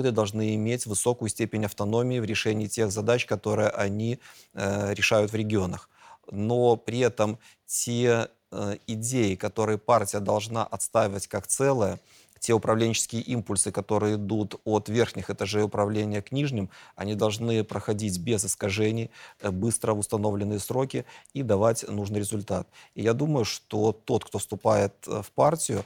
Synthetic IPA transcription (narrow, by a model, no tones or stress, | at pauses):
d̪ɨd̪ɐlˠʐnɨɪmʲetʲvɨso̞kʊjʊsʲtʲepʲɪnʲɐft̪ɐno̞mʲɪɪvɾʲɪʂɛnʲɪːtʲe̞ɣzɐd̪at͡ɕkɐt̪o̞ɾɨjəʔɐnʲi | ɾʲɪʂajʊt̪vɾʲɪɡʲɪo̞nəx | no̞pɾʲɪɛt̪əm | tʲe | ɪdʲejɪkɐt̪o̞ɾɨjəpartʲɪjəd̪ɐlˠʐnaʔɐt̪st̪avʲɪvətʲkakt̪sɛlˠəjə | tʲe̞ʊpɾɐvlʲenʲt͡ɕɪ̥skʲɪjəʔimpʊlʲsɨkɐt̪o̞ɾɨjəɪd̪ut̪ot̪vʲerxnʲɪxɨt̪ɐʐɛʊpɾɐvlʲenʲɪjəknʲiʐnʲɪmɐnʲid̪ɐlˠʐnɨpɾəxɐdʲitʲbʲezɨskɐʐɛnʲɪjbɨst̪ɾəvʊst̪ɐno̞vlʲɪnːɨjəsɾo̞kʲɪid̪ɐvatʲnuʐnɨjɾʲɪzʊlʲt̪at̪̚ijad̪uməjʊʂt̪o̞t̪o̞t̪kt̪o̞fst̪ʊpajɪt̪fpartʲɪjʊ